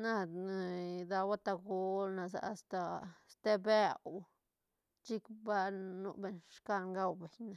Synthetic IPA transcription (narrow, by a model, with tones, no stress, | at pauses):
na˦˧na˧d̪a˧wa˦t̪a˧ɡo˧lna˧za̰˨a˧st̪a˧st̪e˦be˦˧w | t͡ʃi˦kba˦nṵ˧be˧ɲʂka˧ŋɡa˧wbe˨ɲna˨